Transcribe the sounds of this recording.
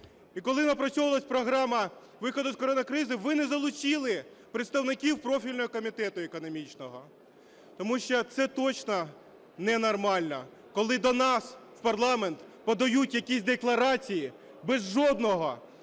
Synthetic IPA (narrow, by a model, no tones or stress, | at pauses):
ikɔlˠɪnɐpɾɐt͡sʲɔʋɐlˠɐsʲpɾɔɦɾɑmɐ | ʋɪxɔd̪ʊskɔɾɔnɐkɾɪzɪʋɪnɛzɐlˠʊt͡ʃilˠɪ | pɾet̪st̪ɐwnɪkʲiwpɾɔfʲilʲnɔɦɔkɔmʲit̪ɛt̪ʊekɔnɔmʲit͡ʃnɔɦɔ | t̪ɔmuʃt͡ʃɔt̪sɛt̪ɔt͡ʃnɔ | nɛnɔrmɑlʲnɔ | kɔlˠɪd̪ɔnɑswpɐrlˠɑment̪pɔd̪ɐjutʲjɐkʲisʲd̪eklˠɐɾɑt͡sʲiji | bɛzʒɔd̪nɔɦɔ